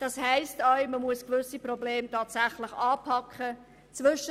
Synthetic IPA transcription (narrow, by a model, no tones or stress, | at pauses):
d̥ɑshɛɪstaɥməmuəskvʏsiprɔbleːmtʰaːtsaχlɪχɑːpʰɑkχə | t͡svʏʃə